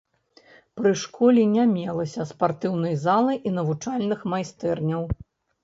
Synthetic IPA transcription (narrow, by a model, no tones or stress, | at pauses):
pɾɨʂkɔlʲinʲamʲɛlˠɐsʲɐspart̪ɨwn̪ɐjzalˠɨʔinɐvut͡ʂalʲnɨxmajst̪ɛrnʲɐw